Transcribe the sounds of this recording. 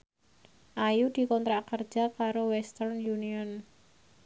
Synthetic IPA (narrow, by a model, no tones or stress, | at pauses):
ʔajud̪̥i̤kɔnt̪ɾakərd̥d͡ʒ̥a̤kaɾowɛst̪ərnjuniɔn